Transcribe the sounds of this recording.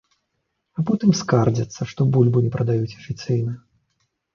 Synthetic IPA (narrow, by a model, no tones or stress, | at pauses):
apɔt̪ɨmskard͡zʲɐt̪sːɐʂt̪ɔbulʲbunʲɛpɾɐd̪ajut͡sʲɐ̥fʲit̪sɨjnɐ